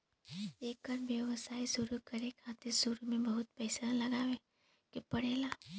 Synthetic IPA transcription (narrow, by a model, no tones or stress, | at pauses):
eːkəɾʋjəʋəsaːisʊɾukɐɾekʰaːt̪eɾsuɾumẽbɐɦʊt̪̚pɛːsalɐɡaːʋẽ | kepɐɽeːlaː